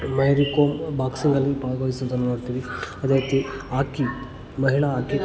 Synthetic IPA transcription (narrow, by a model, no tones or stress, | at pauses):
mɐjɾikoːmbaːksiŋɡɐlːipaːjɡojisunt̪ɐnːumoːɽt̪iːʋiɐd̪eit̪iaːki | mɐɦiɭɐaːki